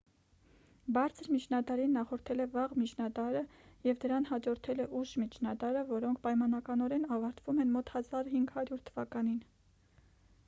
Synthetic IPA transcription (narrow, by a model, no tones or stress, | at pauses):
bɑɾt͡sʰəɾmit͡ʃʰnɑt̪ɑɾinːɑχɔɾt̪ʰɛlɛvɑʁmit͡ʃʰnɑd̪ɑɾəjɛvd̪əɾɑnhɑd͡ʒɔɾt̪ʰɛlɛʔuʃmit͡ʃʰnɑd̪ɑɾəvɔɾɔŋkʰpɑjmɑnɑkɑnɔɾɛnɑvɑɾt̪ʰvumɛnmɔt̪hɑzɑɾhiŋɡhɑɾjuɾt̪ʰəvɑkɑnin